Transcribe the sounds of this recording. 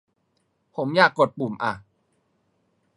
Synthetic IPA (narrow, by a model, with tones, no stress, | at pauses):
pʰo˩˦mjaː˨˩kːo˨˩t̪̚puː˨˩mʔa˨˩